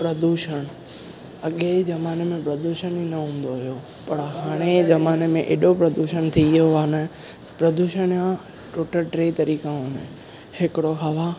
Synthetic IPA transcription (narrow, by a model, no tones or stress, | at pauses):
pɾɐd̪uːʃəɽ̃ | ɐɠezɐmaːnemẽpɾɐd̪uːʃəninɐɦũːn̆d̪oɦijo | pɐɾɦaːɽ̃ezɐmaːnemẽʔḛːɗopɾɐd̪uːʃəñt̪ʰijoaːnə | pɾɐd̪uːʃəɽ̃jã | ʈoːʈəɾʈɾeːt̪ɐɾiːkãɦũːnḛ | hɪkɪɽoɦɐʋa